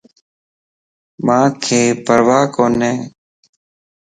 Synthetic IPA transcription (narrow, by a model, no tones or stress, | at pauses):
mãːkʰeːpəɾʋaːkoːnẽː